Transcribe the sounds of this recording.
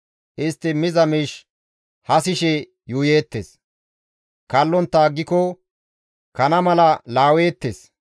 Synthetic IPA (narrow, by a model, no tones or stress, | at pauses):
ʔɪst̪ːɪmɪzɐmiːʃ | hɐsɪʃɛ | juːje̞ːt̪ːeːs | kɐlːɔnt̪ːaːɡːɪkɔ | kɐnɐmɐlɐlaːwe̞ːt̪ːeːs